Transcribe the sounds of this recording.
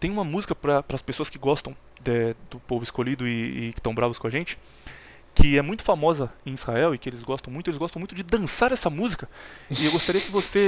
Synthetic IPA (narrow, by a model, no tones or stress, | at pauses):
t̪ẽj̃ũmɐmuzikɐpɾɐpɾɐspesoɐskɪɡɔst̪ɐ̃w̃ | d̪ɛd̪ʊpovʊɪskoʎid̪ʊɪɪkɪ̥t̪ɐ̃w̃bɾavɐskõɐʒẽnt͡ʃɪ̥ | kɪɛmũj̃t̪ʊ̥famɔzɐẽj̃iz̥haɛwɪkɪelɪzɡɔst̪ɐ̃w̃mũjt̪elzɡɔst̪ɐ̃mũt̪ʊ̃d͡ʒɪd̪ɐ̃saɾɛsɐmuzikɐɪewɡost̪aɾiɐkɪvose